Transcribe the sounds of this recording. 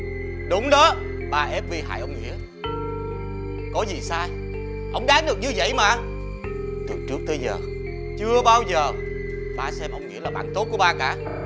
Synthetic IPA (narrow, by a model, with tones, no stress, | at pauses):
ɗʊ˨˦wŋ͡mɗəː˨˦ | ɓaː˧˩ʔɛ˦˥p̚vi˧˩ɦa̰ː˧˩jʔə˧wŋ͡mŋḭ˧˥ə | kɔ˨˦zi˨˩saː˧j | ʔə˧wŋ͡mɗaː˨˦nɗɨ˨˩ək̚ɲɨ˧və̰˧˨jmaː˨˩˨n | t̪ɨ˨˩t͡ɕɨ˦˥k̚t̪əː˨˦jzəː˨˩ | t͡ɕɨ˧əɓaː˧wzəː˨˩ | ɓaː˧sɛ˧mʔə˧wŋ͡mŋḭ˧˥əlaː˨˩ɓa̰ː˧˨nt̪o˦˥t̚ku˧˩əɓaː˧kaː˧˩